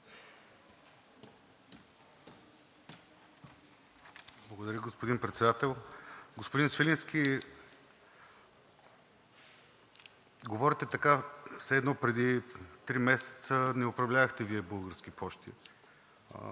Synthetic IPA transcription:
blˠəɡod̪ɐɾʲəɡospʊd̪inpɾɛt̪sɛd̪at̪ɛlˠɡospʊd̪insfɛlʲinskʲi | ɡovɔɾit̪ɛt̪ɐkasɛd̪nɔpɾɛd̪it̪ɾimɛsɛ̥t̪sənɛʊpɾɐvlʲavɐxt̪ɛviɛbɤlˠɡəɾsk̟ipʰɔʃt̪ḭ

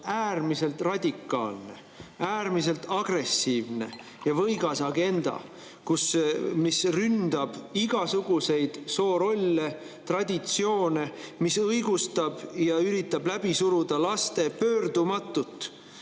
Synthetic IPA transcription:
æːrmise̞lt̪rɑd̪̥ʲikːˑɑ̰ːlne̞̰ | æːrmise̞lt̪ɑɡ̥re̞sːiːvne̞̰ | jɑvɤjɡɑsɑɡe̞nd̪̥ɑ̰ | kusmisrynd̪̥ɑb̥iɡ̥ɑsuɡ̥use̞jd̪̥so̞ːɾo̞lʲːe | t̪rɑd̪ʲit̪sio̞ːne̞misɤjɡ̥ust̪ɑb̥jɑyɾit̪ːˑɑblæb̥isuɾud̪̥ɑlɑst̪e̞pøːrd̪umɑt̪ːˑut̪ːˑ

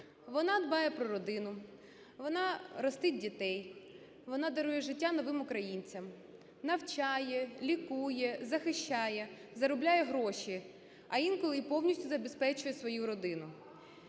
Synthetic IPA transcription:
ʋɔnɑd̪bɑjɛpɾɔɾɔd̪ɪnʊ | ʋɔnɑɾɔst̪ɪt̚ʲdʲit̪ɛj | ʋɔnɑd̪ɐɾujɛʒɪtʲːanɔʋɪmʊkɾɐjinʲt͡sʲɐm | nɐwt͡ʃɑjɛlʲikujɛzɐxɪʃt͡ʃɑjɛzɐɾɔblʲajɛɦɾɔʃʲi | ɐjinkɔlˠɪpɔwnʲisʲtʲʊzɐbespɛt͡ʃʊjɛsʋɔjuɾɔd̪ɪnʊ

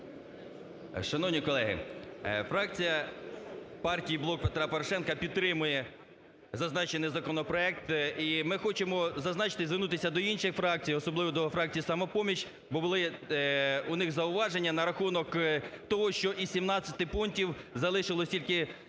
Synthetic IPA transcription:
ʃɐnɔwnʲikɔlˠɛɦɪ̰fɾɑk̚t͡sʲijɐ | pɑrtʲijiblˠɔk̚pe̞t̪ɾɑpɔɾɔʃɛnkɐpʲid̪ɾɪmʊjɛ | zɐznɑt͡ʃenɪjzɐkɔnɔpɾɔɛk̚t̪imɪxɔt͡ʃemɔzɐznɑt͡ʃɪ̥t̪ɪzʋɪrnut̪ɪsʲɐd̪ɔinʃɪjfɾɑk̚t͡sʲijɔsɔblˠɪʋɔd̪ɔfɾɑk̚t͡sʲijisɐmɔpɔmʲit͡ʃ | bɔbʊlˠɪ | ʊnɪxzɐʊʋɑʒenʲːɐnɐɾɐxunɔkt̪ɔɦɔʃt͡ʃɔʔisʲimnɑt͡sʲːɐt̪ɪpuntʲiwzɐlˠɪʃɪlˠɔsʲtʲilʲkɪ

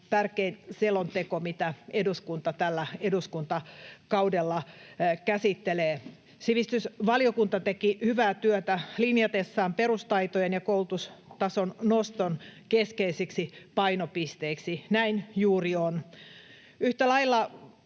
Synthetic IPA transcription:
t̪ærkeinselont̪ekomit̪æeduskunt̪ɑt̪ælːæeduskunt̪ɑkɑudelːɑkæsit̪ːeleː | siʋist̪ysʋɑliokunt̪ɑt̪ekihyʋæːt̪yøt̪ælinjɑt̪esːɑːmperust̪ɑit̪ojenjɑkoult̪ust̪ɑsonnost̪onkeskeisiksipɑinopist̪eiksinæinjuːrion | yht̪ælɑilːɑ

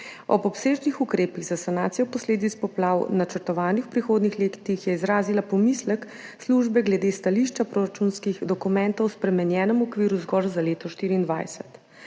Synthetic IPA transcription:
ɔ̰bɔpseːʒnixukɾeːpiɣzasanaːt̪sijɔpɔsleːd̪it̪spɔplawnat͡ʃɛɾt̪ɔʋaːnixwpɾixoːd̪nixleːkt̪ixjɛizɾaːzilapɔmislək | sluʒbɛɡlɛd̪est̪aliʃt͡ʃapɾoɾat͡ʃunskiɣd̪ɔkumɛnt̪ɔwspɾɛmɛnjɛːnəmɔkʋiːɾuzɡɔɾzaleːt̪ɔʃt̪iːɾiːnd̪ʋa̰jsɛ̥̰t̪

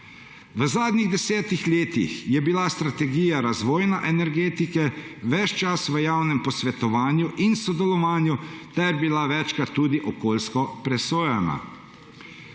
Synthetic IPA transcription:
ʋəzaːd̪niɣd̪ɛsɛːt̪ixleːt̪ḭxjɛbilast̪ɾat̪ɛɡiːjaɾazʋoːjnɛʔɛnɛɾɡeːt̪ikɛʋɛt͡ʃt͡ʃasʋəjaːwnɛmpɔsʋɛt̪ɔʋaːnjuʔinsɔd̪ɛlɔʋaːnjut̪ɛɾbilaʋɛt͡ʃkat̪ːuːd̪iʔɔkoːlskɔpɾɛsoːjɛna̰

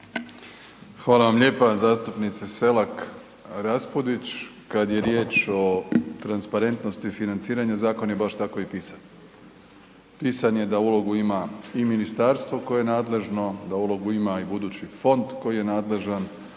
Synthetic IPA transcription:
xʋaːlaʋamʎe̞ːpazaːst̪upnit̪sese̞lak | ɾaspod̪it͡ɕ | kad̪je̞ɾje̞ːt͡ʃo̞t̪ɾanspaɾe̞nt̪no̞st̪ifinant̪siːɾaɲazaːko̞njebaʃt̪ako̞ipiːsan | piːsaɲe̞d̪aulˠo̞ɡuimaiminist̪aɾst̪ʋo̞ko̞jejenaːd̪le̞ʒno̞d̪aulo̞ɡuimaibud̪uːt͡ɕifo̞nd̪ko̞jije̞naːd̪le̞ʒan

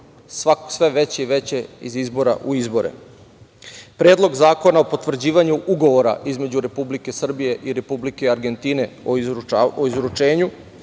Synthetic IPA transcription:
sʋakosʋe̞ʋe̞t͡ɕeiʋe̞t͡ɕe̞ḭzizbo̞ɾa̰ʔuizbo̞ɾḛ | pɾeːd̪lˠo̞ɡzaːko̞naopot̪ʋr̩d͡ʑiːʋaɲuʔuɡo̞ʋo̞ɾa̰ʔizme̞d͡ʑuɾe̞publike̞sr̩bije̞ʔiɾe̞publike̞aɾɡe̞nt̪ine̞ooizɾut͡ʃe̞ːɲu

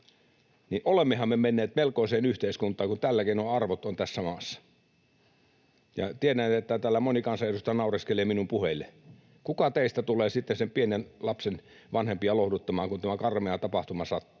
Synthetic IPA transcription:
niʔʔolemːehɑmːemenːeːt̪melkoˑiseːnyht̪eˑiskunt̪ˑɑːŋkunt̪ælːækenoɑrʋot̪ont̪æsːæmɑːsːɑ̥ | jɑ̰t̪ieɾænet̪et̪ːæt̪æːlːæmonikɑnsɑjɑrust̪ɑnɑˑuriskeleːminumpuhelːe | kukɑt̪eˑist̪æt̪uleːsit̪ːesempienenlɑpsen | ʋɑnhempiɑlohdut̪ːɑmɑːŋkunt̪æmækɑrmeɑt̪ɑpɑht̪umɑsɑt̪ːu̥

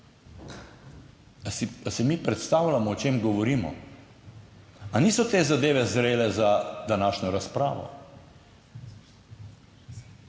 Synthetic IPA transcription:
sasɛmiːpɾɛt̪st̪aːwlʲamɔːt͡ʃeːmɡɔʋɔɾiːmɔ̰ | aniːsɔt̪eːzad̪eːʋɛzɾeːlɛzad̪anaːʃnɔɾaspɾa̰ːʋɔ̰

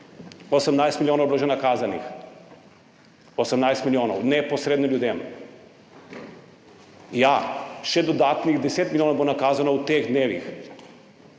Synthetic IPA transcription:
osamnajst̪milʲionaobɾoʒenakazanḭx | osamnajst̪milʲioːna̰unɛposɾed̪noʎuːd̪em | jaʃed̪od̪at̪nixd̪eset̪milʲionabunakazanaut̪eɣd̪neːʋḭx

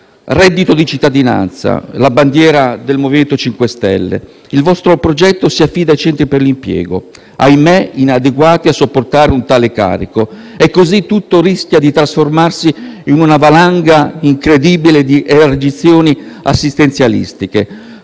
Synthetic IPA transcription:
rɛd̪ːit̪od̪it͡ʃit̪ːad̪ina̰nt̪sa̰laband̪jɛːɾad̪elmoviment̪ot͡ʃiŋkwest̪ɛ̰lːḛ | ilvɔst̪ɾopɾod͡ʒɛt̪ːosiafːiːd̪ajt͡ʃɛnt̪ɾiperlimpjɛ̰ːɡo̰ | ajmeinad̪eɡwaːt̪iasːopːort̪aːɾeunt̪aːleka̰ːɾiko | ekːozit̪ːut̪ːoɾisk̟jad̪it̪ɾasformarsiinunavalaŋɡaiŋkɾed̪ibiled̪iʔeard͡ʒit̪sːjoːniasːist̪ent̪sjalḭst̪ike

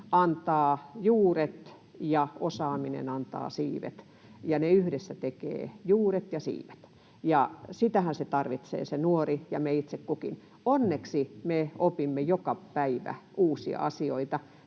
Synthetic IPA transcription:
ɑnt̪ɑːjuːret̪ | jɑosɑːminḛnɑnt̪ɑ̰ːsiːʋḛt̪ | jɑneyhdesːæt̪ekḛːjuːret̪jɑsḭːʋet̪ | jɑsit̪æhænset̪ɑrʋit̪sḛːsenuorijɑ̰meit̪sekkukḭn | onːeksimeopimːejokɑpæiʋæ̰ʔuːsiɑ̰ɑsioit̪ɑ

